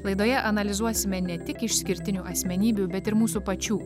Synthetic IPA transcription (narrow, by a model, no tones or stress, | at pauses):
lˠɐɪd̪oːjɛʔɐnɐlʲɪzuɔsʲɪmʲɛnʲɛt̪ʲɪkɪʃsʲkʲɪɾʲt̪ʲɪnʲuːʔɐsʲmʲɛnʲiːbʲuːbʲɛt̪ɪɾmuːsuːpɐt͡ʃʲuː